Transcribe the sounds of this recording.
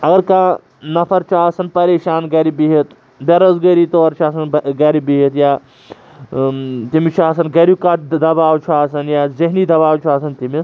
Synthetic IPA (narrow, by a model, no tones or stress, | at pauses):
ɐɡɐɾkã | nɐfɐɾt͡ʃʰaːsɐnpɐɾeːʃaːnɡɐɾibiɦit̪ | bʲɐɾɐzɡɐɾit̪oːɾt͡ʃʰaːs̬ɐnɡɐɾibiɦit̪jaː | t̪imit͡ʃʰaːs̬ɐnɡɐɾikaːt̪̚d̪ɐbaːwt͡ʃʰaːsɐnjaːzɪɦniːd̪ɐbaːwt͡ʃʰaːsɐnt̪imis